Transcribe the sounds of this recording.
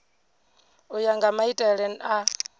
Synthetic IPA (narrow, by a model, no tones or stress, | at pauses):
ujaŋɡamaitʼɛɺɛna